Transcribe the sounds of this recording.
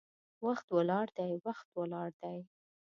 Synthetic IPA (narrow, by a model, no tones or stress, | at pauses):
waxt̪wəlɑɽd̪ajwaxt̪wəlɑɽd̪aj